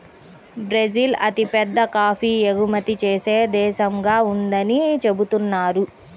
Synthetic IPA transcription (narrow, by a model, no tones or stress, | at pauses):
bɾed͡ʒilɐt̪ipɛd̪ːɐkaːpiːeɡumɐt̪it͡ʃeːseːd̪ɛːʃɐŋɡaːund̪ɐnit͡ʃe̞but̪unːaːɾu